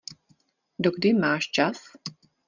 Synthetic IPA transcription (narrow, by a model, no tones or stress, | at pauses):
doɡdɪmaːʃt͡ʃas